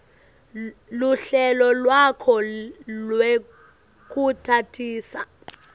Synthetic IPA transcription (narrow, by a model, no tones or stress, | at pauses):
luɬɛlɔlwakʰɔlwe | k̬ʼutʰatʰiːsa